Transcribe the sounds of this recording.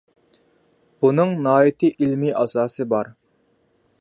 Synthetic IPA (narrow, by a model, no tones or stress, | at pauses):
b̥unɨŋnɑːit̪ʰɨʔilmiʔɑsɑːsɨbɑɾ